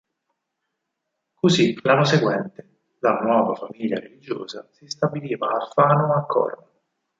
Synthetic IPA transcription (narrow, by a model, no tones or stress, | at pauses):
kozilanːoseɡwɛnt̪e | lanwɔːvafamiʎːaɾelid͡ʒo̰ːzasist̪abiliːvaːfːaːnoakʰːɔ̰rma